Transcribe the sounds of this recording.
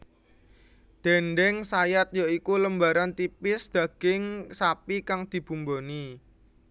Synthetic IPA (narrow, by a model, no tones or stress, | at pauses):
d̪̥ɛnɖɛŋsajat̪̚jaikuləmbaɾant̪ipɪsd̪̥a̤ɡ̥ɪŋsapikaŋd̪̥i̤b̥ṳmboni